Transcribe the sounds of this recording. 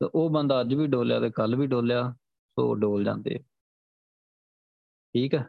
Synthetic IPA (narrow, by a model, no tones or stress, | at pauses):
t̪ḛʔoːbənd̪aːəd͡ʒbiːɖoːlja̰ːt̪eːkəlbiːɖoːljaː | so̰ːɖoːld͡ʒã̰ːnd̪ḛː | ʈʰiːkɛː